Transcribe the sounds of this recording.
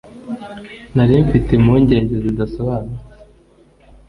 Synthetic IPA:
naɾiːɱfite̞muɲɟe̞ːɲɟezidasoβaːnuɾ

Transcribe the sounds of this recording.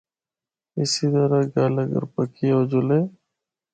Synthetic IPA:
ɪsiːt̪əɾaːɡaːləɡə̰ɾpəkiːoːd͡ʒʊleː

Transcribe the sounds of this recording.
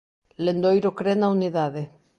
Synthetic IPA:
lend̪ojɾokɾenauniðaðe

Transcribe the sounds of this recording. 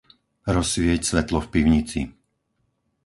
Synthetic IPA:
ɾɔsʋɪɛcsʋɛt̪lɔfpiʊɲit͡sḭ

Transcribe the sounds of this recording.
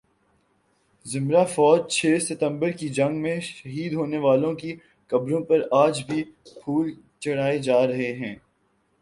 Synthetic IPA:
zɪmɾafɔːd͡ʒt͡ʃʰeːsɪt̪ə̃mbəɾkid͡ʒɐ̃ŋɡmẽʃɐɦiːd̪ɦoːneʋaːlõki | kɐbɾõpɐɾaːd͡ʒbʱipʰuːl | t͡ʃɐɽ̤aːed͡ʒaːɾɐɦeɦɛ̃ː

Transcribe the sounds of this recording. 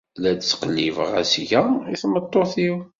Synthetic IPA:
læd̪t͡sːqəlːivʁa̰sʝæiθmət̪ˤːoθiw

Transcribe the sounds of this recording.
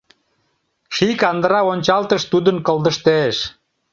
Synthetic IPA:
ʃikɑnd̪əɾɑonʲt͡ɕɑlt̪əʃt̪ud̪ənkəlˠd̪əʃt̪eʃ

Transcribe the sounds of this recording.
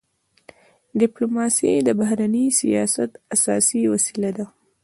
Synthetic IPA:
ɖɪplomɑsed̪əbahɾanəsijɑsat̪asɑsiwasilad̪a

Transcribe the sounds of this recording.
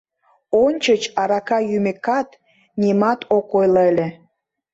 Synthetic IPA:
onʲt͡ɕət͡ɕɑɾɑkɑjymekɑt̪ | nʲimɑt̪okojlelʲe

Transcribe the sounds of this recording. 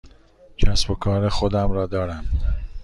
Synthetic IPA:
cʰæsbokʰɒːɾexod̪æmɾɒːd̪ɒːɾæm

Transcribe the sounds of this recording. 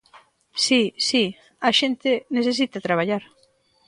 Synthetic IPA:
sisi | aʃent̪ɪneθes̬it̪at̪ɾaβ̞aʎaɾ

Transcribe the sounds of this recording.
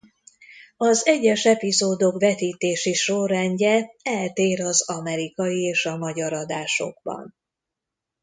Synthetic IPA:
ɒzɛɟːɛʃɛpizoːd̪o̞kvɛt̪iːt̪eːʃiʃorːɛɲɟɛɛlt̪eːɾɒzɒmɛɾikɒjieːʃɒmɒɟɒɾɒd̪aːʃo̞̰ɡ̥bɒ̰n

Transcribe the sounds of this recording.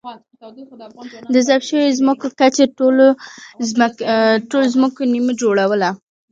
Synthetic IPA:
d̪əzabʃəwezməkokat͡ʃeʈolo | ʈolozməkoniməd͡ʒoɽawəla

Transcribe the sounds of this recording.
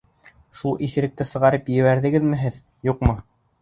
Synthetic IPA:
ʃulˠiθɘ̆ɾɘ̆k̚t̪ɘsɤ̆ʁɑɾɤpjɘ̆βæɾðɘ̆ɡɘðmɘ̆ɦɘð | juqmɤ

